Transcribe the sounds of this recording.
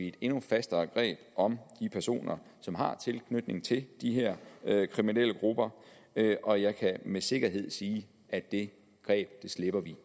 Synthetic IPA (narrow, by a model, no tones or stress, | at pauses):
ie̝d̥e̝nufæsd̥ɐːɡ̥ʁɛ̰ːb̥ʔɒ̽md̥ipʰæɐso̝̰ːnɐ | sɒ̽mɦɑ̈t͡sʰe̝lkʰnød̥ne̝ŋt͡sʰe̝ld̥iɦeɐ̰kʰʁiminel̰əɡ̥ʁub̥ɐ | ʔɒ̽jɑ̈ɪkʰæmese̝ɡ̥ɐɦe̝ð̞̰ˠsiː | æ̥d̥e̝ | ɡ̥ʁɛ̰ːb̥d̥e̝sle̝b̥ɐʋi